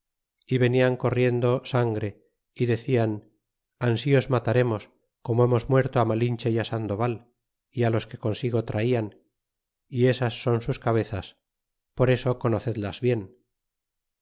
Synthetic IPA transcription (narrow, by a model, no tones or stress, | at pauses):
iβe̞niaŋko̞rje̞nd̪o̞saŋɡɾe̞ | iðe̞θian | ansio̞zmat̪aɾe̞mo̞s | ko̞moe̞mo̞zmwe̞ɾt̪oamalint͡ʃejasand̪o̞βal | ialo̞ske̞ko̞nsiɣo̞t̪ɾaian | ie̞sasːo̞nsuskaβ̞e̞θas | po̞ɾe̞soko̞no̞θe̞ðlazβje̞n